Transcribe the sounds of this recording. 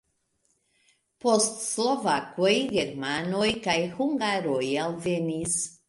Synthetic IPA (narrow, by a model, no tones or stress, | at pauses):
postslovakojɡeɾmanojkajhuŋɡaɾojalvenis